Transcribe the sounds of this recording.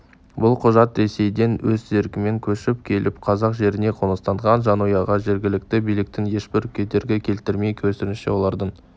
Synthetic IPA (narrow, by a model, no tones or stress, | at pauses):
bʊlˠqʰʊʒɑt̪ɾe̞se̞jd̪e̞nwɵzzeɾkʲɪme̞ŋkʲʰɵʃɪp̚kʲʰe̞lʔɪpqʰɑzɑqʒe̞ɾɪne̞qʰonəst̪ɑɴʁɑnʒɑnujɑʁɑʒe̞ɾɡʲɪlɪk̚t̪ɪbijlɪkt̪ɪnje̞ʃbɪɾkʲʰe̞t̪e̞ɾɡʲekʲʰe̞lt̪ɪɾmejkʲʰɵsɪnɪʃɪ̰wo̞lˠɑɾd̪əɴ